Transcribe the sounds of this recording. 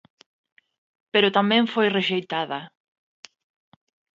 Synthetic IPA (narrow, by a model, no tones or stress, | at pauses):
peɾʊt̪amɛ̃ɱfojreʃejt̪aðɐ